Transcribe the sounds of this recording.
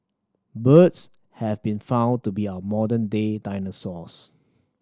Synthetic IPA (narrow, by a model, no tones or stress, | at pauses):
bəts | hɛvbĩnfãʊ̃ntubiaəmɔdə̃ndedãɪnəsɔs